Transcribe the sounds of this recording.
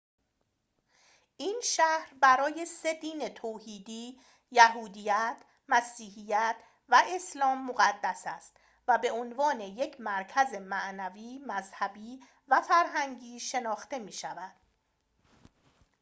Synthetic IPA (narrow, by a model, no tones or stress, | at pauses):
ʔiːnʃæhɾbæɾɒːje̞se̞d̪iːnet̪ʰoːhiːd̪iː | jæɦuːd̪ijæt̪ʰ | mæsiːɦijæt̪ʰ | væʔe̞slɒːmːoɣæd̪ːæsæst̪ | væbe̞onvɒːne̞je̞cʰmæɾcʰæze̞mæʔnæviːmæzhæbiː | væfæɾɦæŋɟiːʃe̞nɒːxt̪e̞miːʃævæd̪̥